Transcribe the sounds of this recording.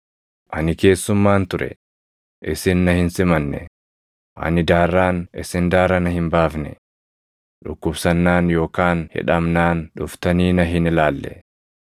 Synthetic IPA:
ʔɐnɪke̞ːsːʊmːaːnt̪ʊɾɛ̰ | ʔɪsɪnːɐhɪnsɪmɐnːɛ̰ | ʔɐ̰nɪd̪aːrːaːnɪsɪnd̪aːɾɐnɐhɪmbaːfnɛ̰ | ᶑʊkːʊbsɐnːaːnjo̞ːkaːnhɪ̰ᶑɐmnaːnᶑʊft̪ɐniːnɐɦɪnɪlaːlːɛ̰

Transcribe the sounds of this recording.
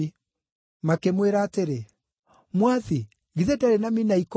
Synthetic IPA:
makemweɾaːteɾe | mwaði | ɡiðɛdaɾenaminaiko

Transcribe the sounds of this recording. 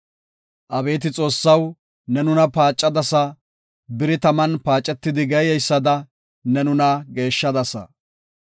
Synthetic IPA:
ʔɐbe̞ːt̪̬ɪt͡sʼo̞ːsːɐw | nɛnʊnɐpaːt͡ʃʼːɐd̪ɐsɐ | bɪɾɪt̪ɐmɐnpaːt͡ʃʼːɛt̪ːɪd̪ɪɡɛjɛjsːɐd̪ɐ | nɛnʊnɐɡe̞ːʃːɐd̪ɐsɐ̰

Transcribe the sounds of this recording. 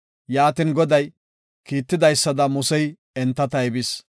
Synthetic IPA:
jaːt̪ɪŋɡɔd̪ɐj | kiːt̪ːɪd̪ɐjsːɐd̪ɐmʊsɛj | ɛnt̪ːɐt̪ɐɛbɪs

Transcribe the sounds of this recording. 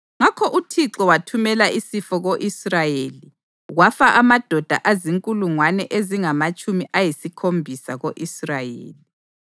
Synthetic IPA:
ŋakʰɔʔutʰiǁɔwatʰumɛlaisifɔɣoʔisrajeli | ɣwafaʔamad̥ʱɔd̥ʱa̰ʔaziŋkʼuluŋwanɛʔeziŋamat͡ʃʼumiʔajisikʰombʱisaɣoʔisrajḛːli

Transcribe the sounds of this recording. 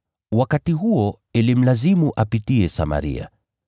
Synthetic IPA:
wakatiɦuɔ | ɛlim̩lazimuʔapitiɛsa̰ma̰ɾḭa̰

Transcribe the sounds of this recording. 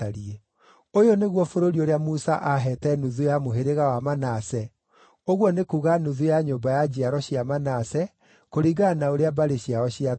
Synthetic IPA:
aɾiɛ | ojoneɣwɔfoɾoɾioɾeamusaʔaɦɛtɛnuðujamoɦeɾeɣawamanasɛ | oɣwɔnekuɣanuðujaɲombajad͡ʑiaɾɔɕiamanasɛ | koɾiɡanaoɾeabaɾeɕiaɾɔɕia

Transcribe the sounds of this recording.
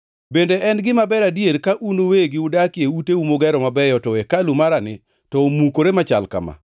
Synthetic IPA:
bendeʔɛnɡɪmabɛɾadjeɾkaʔunoweɡɪudakɪeuteumoɡɛɾɔmabɛjɔtɔekalumaɾanɪ | tɔomukoɾemat͡ʃa̰lka̰ma̰

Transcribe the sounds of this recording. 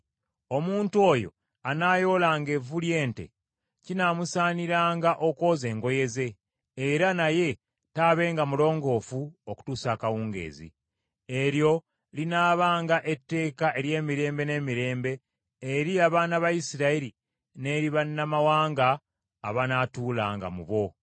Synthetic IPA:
o̞muːntuo̞ːjo̞̰ | anaːjo̞ːlaːŋɡe̞vulje̞ːntḛ | cinaːmusaːniɾaːŋɡaʔo̞ko̞ːze̞ːŋɡo̞je̞ze̞ː | ɾanaje̞ | taːβe̞ːŋɡamulo̞ːŋɡo̞ːfuoku̥tuːsaːkawuːŋɡe̞̰ːzḭ | e̞ɾjo̞ | linaːβaːŋɡaʔe̞tːe̞ːkaʔe̞ɾje̞ːmiɾe̞ːmbe̞ne̞ːmiɾe̞ːmbe̞ː | ɾiaβaːnaβajisiɾaiɾi | ne̞ɾiβanːamawaːŋɡaː | βanatuːla̰ːŋɡa̰mṵβo̞

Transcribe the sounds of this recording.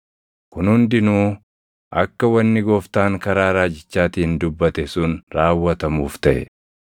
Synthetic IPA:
kʊnhʊnd̪ɪnuː | ʔɐkːɐwɐnːɪɡoːft̪aːŋkɐɾaːɾaːd͡ʒɪt͡ʃːaːt̪iːnd̪ʊbːɐt̪ɛsʊnɾaːwːɐt̪ɐmuːft̪ɐʔɛ̰

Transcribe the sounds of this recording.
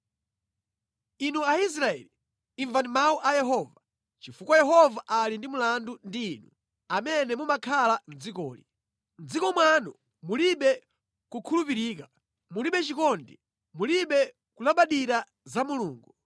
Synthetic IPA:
inuais̬ɾaɛ̰li | iɱvandimauʔajɛɦɔːva | t͡ʃifukɔjɛɦɔvaʔalindimulandundiːnu | amɛnɛmumakʰaland͡zikɔ̰ːlḭ | nd͡zikɔmwanu | muliɓɛ | kukʰulupiɾiːka | muliɓɛt͡ʃikɔndi | muliɓɛ | kulaɓaɗiɾa | zamuluːŋɡu

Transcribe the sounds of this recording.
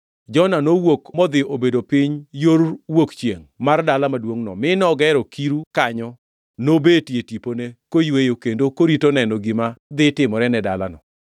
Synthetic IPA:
d͡ʒɔnanowokmɔd̪ɪobedopɪɲjoɾwokt͡ʃjeŋmardalamadwoŋnɔ̰mɪnɔɡɛɾɔkʰiɾukaɲɔ | nobetjetiponekojwejokendokoɾitonɛnɔɡɪmad̪ɪtɪmɔɾɛnɛdala̰nɔ̰

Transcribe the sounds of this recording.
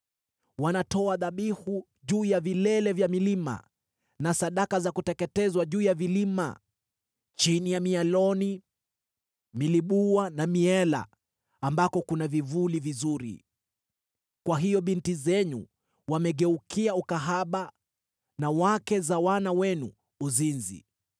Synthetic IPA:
wanatɔaðaɓihu | ʄuːjavilɛlɛvjamilima̰ | nasaɗakazakutɛkɛtɛzwaʄuːjavilima̰ | t͡ʃinijamialɔni | miliɓuwanamiɛla̰ | ambakɔkunavivulivizuɾḭ | kwaɦijɔɓintizɛnṵ | wamɛɠɛukiaukaɦaɓa | nawakɛzawanawɛnuː | zinzḭ

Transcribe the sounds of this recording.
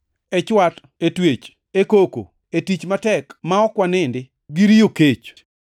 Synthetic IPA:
ɛt͡ʃwat | etwet͡ʃ | ekoko̰ | etit͡ʃmatɛkmaɔkwanɪndɪ | ɡɪɾijoket͡ʃ

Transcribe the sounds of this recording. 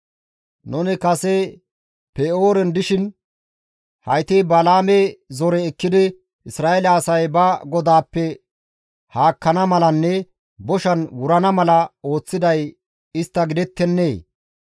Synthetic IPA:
nʊnɪkɐsɛ | peoːɾɛnd̪ɪʃɪn | hɐjt̪eːbɐlaːmezɔɾɛːkːɪd̪ɪ | ʔɪsɾaːʔɛlɐːsɐjbɐɡɔd̪aːpːɛ | haːkːɐnɐmɐlɐnːɛ | bɔʃɐnwʊɾɐnɐmɐlɐo̞ːt͡sːɪd̪ɐj | ɪst̪ːɐɡɪd̪ɛt̪ːɛnːeː

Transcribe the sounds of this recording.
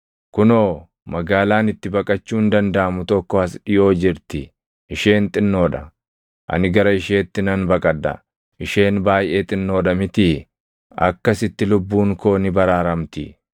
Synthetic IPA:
kʊnoː | mɐɡaːlaːnɪt̪ːɪbɐkʼɐt͡ʃːuːnd̪ɐnd̪ɐʔɐmʊt̪ɔkːɔɐsᶑɪjo̞ːd͡ʒɪɾt̪ɪ | ʔɪʃe̞ːnt̪ʼɪnːo̞ːᶑɐ̰ | ʔɐ̰nɪɡɐɾɐɪʃe̞ːt̪ːɪnɐnbɐkʼɐd̪ːɐ̰ | ʔɪʃe̞ːnbaːjʔe̞ːt̪ʼɪnːo̞ːᶑɐmɪt̪ɪ | ɐ̰kːɐsɪt̪ːɪlʊbːuːŋko̞ːnɪbɐɾaːɾɐmt̪ɪ̰

